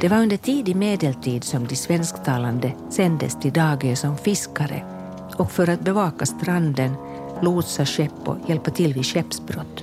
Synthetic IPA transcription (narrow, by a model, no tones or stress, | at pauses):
d̪̥ɛvaɾɵnd̪əʈʰiːd̪ɪmeːd̪ɛlt̪ʰiːd̪sɔmd̪ɪsvɛnskt̪ʰɑːland̪ə | sɛnd̪ə̰st̪ʰɪld̪ɑːɡəsɔmfɪskaɾə̰ | ɔkfœɾat̪̚bɛvɑːkast̪ɾand̪ən | luːt̪saɕɛpːɔ̰jɛlpəʈ̪ʰɪlːviːɕɛpsbɾɔt̪ː